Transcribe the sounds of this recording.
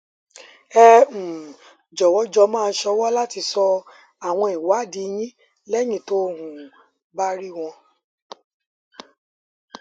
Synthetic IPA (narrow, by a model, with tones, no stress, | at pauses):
ɛ˦˧ũ˨ | d͡ʒɔ˨wɔ˨˦d͡ʒɔ˧mãː˦˧n̩˦ʃɔ˧wɔ˦la˦ti˧sɔ˧ | a˨w̃ɔ̃˧i˨wa˨˦˨di˧j̃ĩ˦ | lɛ˦j̃ĩ˦˨to˦hũ˨ | ba˦ɾi˦w̃ɔ̃˧